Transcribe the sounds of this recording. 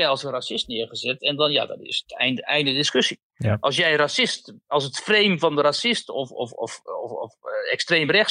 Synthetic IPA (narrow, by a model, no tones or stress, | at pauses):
jɛjɔlˠsənrasɪstnɪərχəzɛtɛndɔnja̰dɔ̰tɪ̰sətɛ̰nɛjndədɪskøsi | ʔɔlˠs̬jɛjrasɪstɔlˠsətfreːmfɔndəɾasɪstɔfɔfɔ̰ffɛkstreːmrɛxs